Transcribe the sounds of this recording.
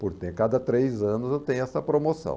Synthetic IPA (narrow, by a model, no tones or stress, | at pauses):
poɾt̪ẽkad̪ɐt̪ɾejzɐ̃nʊzewt̪ẽjʊɛsɐpɾomosɐ̰̃w̃